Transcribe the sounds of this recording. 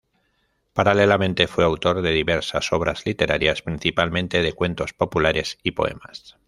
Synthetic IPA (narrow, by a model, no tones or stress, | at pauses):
paɾalelamẽnt̪e̞fwe̞awt̪o̞ɾðe̞ðiβe̞ɾsaso̞β̞ɾazlit̪e̞ɾʔaɾjaspɾinθipalmẽ̞nt̪e̞ð̞e̞kwẽ̞nt̪o̞spo̞pulaɾe̞sipo̞̰e̞̰mas